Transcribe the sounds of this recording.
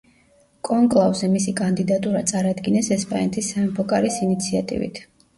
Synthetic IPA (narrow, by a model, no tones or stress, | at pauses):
kʼɔŋkʼlˠavzɛmisikʼand̪id̪at̪ʼuɾat̪sʼaɾad̪ɡinɛsɛspʼa̰nɛt̪ʰisaɛmpʰɔkʼaɾisinit̪sʰiat̪ʼḭvḭt̪ʰ